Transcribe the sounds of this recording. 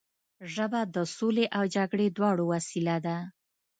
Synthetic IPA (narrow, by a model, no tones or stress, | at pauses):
ʒəbad̪əsoleʔawd͡ʒaɡɽed̪wɑɽowasilad̪a